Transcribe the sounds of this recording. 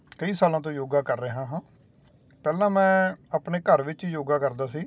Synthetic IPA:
kəiːsaːlãːt̪õːjoːɡaːkəɾːeːɦãːɦãː | pɛːlãːmɛ̃ːaːpɳeːkəɾʋɪt͡ʃiːjoːɡaːkəɾd̪aːsiː

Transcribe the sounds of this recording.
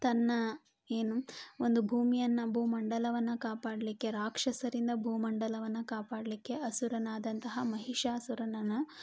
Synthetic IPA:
t̪ɐnːɐ | e̞ːnuo̞nd̪ubʱuːmijɐnːɐbʱuːmɐɳɖɐlɐʋɐnːɐkaːpaːɽɐlikːe̞ɾaːkʂɐsɐɾind̪ɐbʱuːmɐɳɖɐlɐʋɐnːɐkaːpaːɽɐlikːe̞ɐsuɾɐnaːd̪ɐnt̪ɐɦɐmɐɦiʂaːsuɾɐnɐnɐ

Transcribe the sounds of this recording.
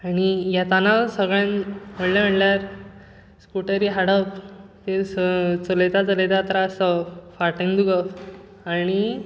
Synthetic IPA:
añijat̪anasəɡɭjãnm̤əɽlam̤əʈljaɾ | skuʈəɾiɦaɽəpt̪et͡səlet̪at͡səlet̪at̪ɾasəfaɾʈə̃ŋd̪uɡəf | aɽ̃i

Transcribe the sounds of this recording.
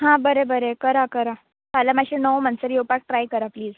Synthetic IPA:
ɦãbəɾebəɾekəɾakəɾa | t̪alamaɕenəwmənsəɾjewpak̚ʈɾajkəɾapliːz

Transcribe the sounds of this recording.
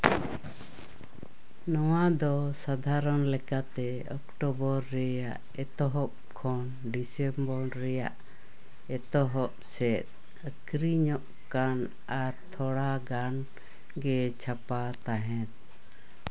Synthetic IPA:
nɔwad̪ɔsad̪ʱaɾɔnlɛkat̪ɛ | ɔkʈɔbɔɾːɛjaʔ | ɛt̪ɔɦɔp̚kʰɔn | ɖisɛmbɔɾːɛjaʔ | ɛt̪ɔɦɔp̚sɛt̪̚ | əkɾiɲɔʔ | kan | aɾt̪ʰɔɽaɡan | ɡɛt͡ʃʰapat̪aɦɛ̃t̪̚

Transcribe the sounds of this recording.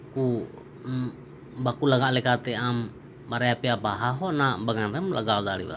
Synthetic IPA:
ku | bakulaɡaʔlɛkat̪ɛam | baɾeapiapaɦaɦɔnabaŋanɾɛmlʔa̰ɡaɡaɾḭβa̰

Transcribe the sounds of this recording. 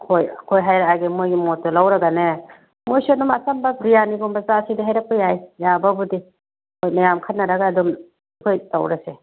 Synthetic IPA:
kʰojkʰojɦajɾaaɡemojɡimɔtːɔlawɾaɡane | mojsɔnumasambabɾijaniɡumbazasidiɦajɾak̚pajajjababudi | kojmajamkʰat̚nːaɾaɡaːdɔm | kʰojtawɾase

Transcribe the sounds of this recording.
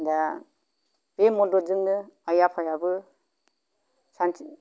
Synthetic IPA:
da | b̥emɔdɔzɯŋnɯajapʰajabɯ | san

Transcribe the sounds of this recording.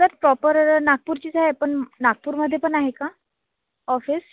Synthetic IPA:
səɾpɾɔpəɾnak̚puːɾt͡ɕiːd͡zaɦepəɳnak̚puːɾməd̪ʱːjepəɳaɦeka | ɔfis

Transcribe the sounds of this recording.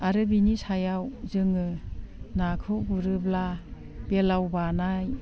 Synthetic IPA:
aɾɯbinisajawzɯŋɯnakʰɯwbuɾɯbla | belawbanaj

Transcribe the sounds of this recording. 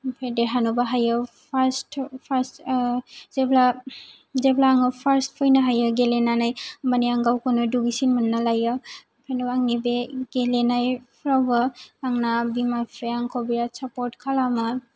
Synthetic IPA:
pʰedeɦanubaɦajɯpʰaɾstpʰaɾs | zebla | zeblaːŋɯpʰaɾstpʰɔjnaɦajɯɡelenanajmaniaŋɡawkɯnɯduɡisinmunːalajɯ | pʰanuaŋnibeɡelenajpʰɾawbaaŋnabimapʰɾeaŋkʰowbiɾasapɔɾtkʰalama

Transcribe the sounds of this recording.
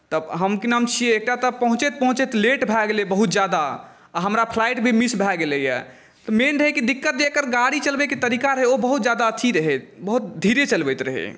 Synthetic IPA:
t̪əbɦəmkinəmt͡ʃʰieek̚ʈat̪ɔpəɦũt͡ʃet̪̚pəɦũt͡ʃet̪leʈbʱɛɡelebəɦut̪̚d͡ʒjad̪a | aɦəmɾapʰlajʈbʱimisbʱɛɡelejɛ̰ | t̪ɔmenɾəɦɛkid̪ikːət̪̚d̪ekəɾɡaɽit͡ʃəlbɛkit̪əɾikaɾəɦeobəɦut̪d͡ʒad̪aət̪ʰiɾəɦɛbəɦut̪̚d̪ʱiɾet͡ʃəlbɛjt̪ɾəɦɛ̰

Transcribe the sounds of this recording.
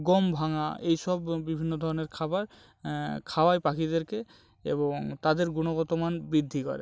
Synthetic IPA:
ɡɔmbʱaŋa̰ejsɔbːibʱinːod̪ʱɔɾɔneɾkʰabaɾ | kʰawajpakid̪eɾke | ḛboŋt̪ad̪eɾɡunoɡɔt̪omanbɾid̪ʱːikɔ̰ɾe

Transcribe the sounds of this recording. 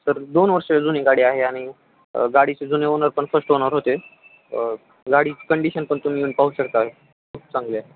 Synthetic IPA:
t̪əɾd̪onʋəɾʂed͡zuneɡaɽiːaɦeaɽ̃i | ɡaɽit͡sed͡zuneonəɾpəɳfəɾsʈonəɾɦot̪e | ɡaɽiːkəɳɖiɕənpəɳt̪um̤iːuːɳpaɦuɕəkt̪aɦ | kʰuːp̚t͡sãŋɡlja

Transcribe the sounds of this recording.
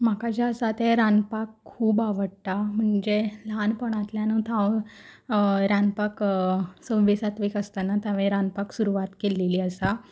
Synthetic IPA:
m̤akad͡ʑasat̪eɾanpakʰːuːbaʋəɽt̪am̤əɳd͡ʑelanpəɳat̪ljanət̪ʰãʋ | ɾãnpaksə̃ʋisat̪ʋikəst̪anat̪aʋẽɾanpaksuɾuʋat̪kelːeliːəsa

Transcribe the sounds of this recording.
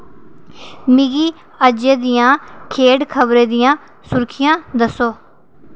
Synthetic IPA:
mɪɡiː | əd͡ʒeːd̪ɪjãːkʰeːɖkʰəbɾeːd̪ɪjãː | sʊɾkʰɪjãːd̪əsoː

